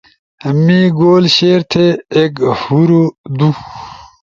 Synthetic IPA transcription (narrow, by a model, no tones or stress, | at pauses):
miɡoːlɕeːɾt̪ʰeːkhuɾod̪u